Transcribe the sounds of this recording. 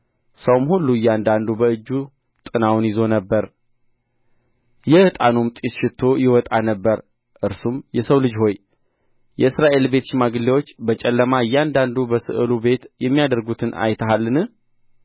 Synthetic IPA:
səwmhulːuɨjːand̪and̪ubəɨd͡ʒːu | t̪ʼɨnawnjɪzo̞nəbːəɾ | jɛhɨt̪ʼanumt̪ʼisʃɪt̪ʰːo̞jɪwɔt̪ʼanəbːəɾ | ʔɨɾsumjɛsəwlɨd͡ʒho̞j | jɛɨsɾaʔe̞lbe̞t̪ʃɪmaɡɨlːewo̞t͡ʃːbət͡ʃʼɛlːəmaɨjːand̪and̪ubəsɨ̰ʔɨlube̞t̪jɛmːijad̪əɾɡut̪ʰɨnʔa̰jt̪ʰəɦalːɨnɨh

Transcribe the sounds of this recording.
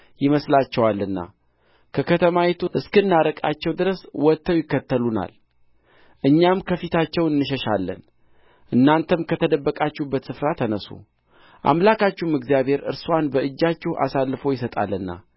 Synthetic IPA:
jɪməslat͡ʃːɛwalːɨnːa̰ | kʰəkʰət̪ʰəmawɛt̪ʰuʔɨskɨnːaɾəkʼat͡ʃːɛwd̪ɨɾəswɔt̪ʰːəwjɪkːət̪ʰːəluna̰l | ʔɨɲːamkʰəfit̪ʰat͡ʃːɛwɨnːɨʃəʃa̰lːə̰n | ʔɨnːant̪ʰəmkʰət̪ʰəd̪əbːəkʼat͡ʃːubːət̪sɨfɾat̪ʰənəsṵ | ʔa̰mlakʰat͡ʃːumɨɡzijaβhe̞ɾɨ̰ɾswanbəʔɨd͡ʒːat͡ʃːɛhʔa̰salːɨfo̞jɪsət̪ʼa̰lːɨnːa̰

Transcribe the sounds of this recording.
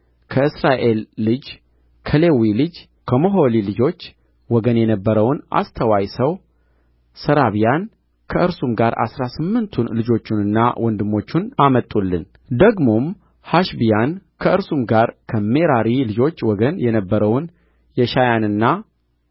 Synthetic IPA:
kʰəɨsɾaʔe̞lːɨd͡ʒ | kʰəle̞wilɨd͡ʒ | kʰəmoɦolilɨd͡ʒo̞t͡ʃː | wɔɡənjɛnəbːəɾəwnʔa̰st̪ʰəwajsəw | səɾaβijan | kʰəʔɨɾsumɡaɾa̰sɾasɨmːɨnt̪ʰunlɨd͡ʒo̞t͡ʃːunɨnːa̰wʔɔnd̪ɨmːo̞t͡ʃːunamət̪ʼːulːɨn | d̪əɡmo̞m | haʃbijankʰəɨɾsumɡaɾkʰəme̞ɾaɾilɨd͡ʒo̞t͡ʃːwɔɡənjɛnəbːəɾəwn | jɛʃajanɨnːa

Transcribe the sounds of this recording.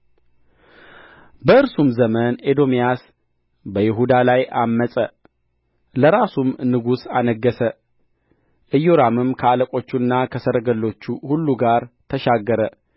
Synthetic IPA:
bəɨɾsumzəməned̪o̞mijas | bəjɪɦud̪alajʔamːəsʼə | ləɾasumnɨɡusanəɡːəsə | ʔɨjoɾamɨmkʰəaləkʼo̞t͡ʃːuɨnːakʰəsəɾəɡəlːo̞t͡ʃːuhulːuɡaɾt̪ʰəʃaɡːəɾə

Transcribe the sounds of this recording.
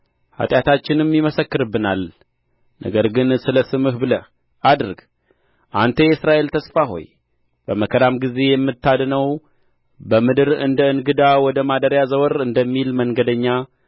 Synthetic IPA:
ha̰t̪ʼjat̪ʰat͡ʃːɪnɨmːiməsəkːɨɾɨbːɨnal | nə̰ɡəɾɡɨnsɨləsɨmɨhbɨlə | ad̪ɾɨɡ | ʔant̪ʰəjɛɨsɾaʔe̞lt̪ʰəsfaɦo̞̰j | b̥əməkʰəd̪amɡize̞jɛmːɨt̪ːad̪nəw | bəmɨd̪ɨɾɨ̰nd̪əɨnɡɨd̪awɔd̪əmad̪əɾjazəwɔɾɨnd̪əmːilməŋɡəd̪əɲːa

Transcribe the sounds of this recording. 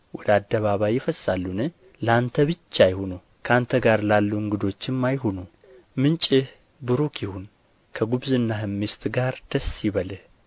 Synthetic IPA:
wɔd̪əad̪ːəβaβajːɪfəsːalːunɨ | ləant̪ʰəβɨt͡ʃːajhunu | kʰəant̪ʰəɡaɾlalːuɨŋɡɨd̪o̞t͡ʃːɪmːajɦonu | mɨnt͡ʃʼɨh | bɨɾukʰihun | kʰəɡubzɨnːaɦɨmːɨst̪ʰɡaɾd̪̥əsːiβəlɨ

